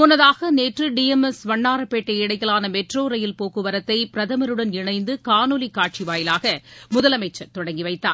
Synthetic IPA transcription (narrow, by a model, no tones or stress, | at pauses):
pɔnɐðaːɣɐneːʈrɯɖiɛmɛsʋɐɳːaːɾɐpeːʈːɐɪɽɐjɪlaːnɐmɛʈroːɾɐjɪlpoːkɯʋɐɾɐt̪ːɐɪpɪɾɐðɐmɐɾɯɽɐnɪɳɐɪnd̪ɯkaːnulikːaːʈ̚t͡ʃiʋaːjɪlaːɣɐmʊðɐlɐmɐɪt͡ʃːɐt̪ɔɽɐŋɡiʋɐɪt̪ːa̰ː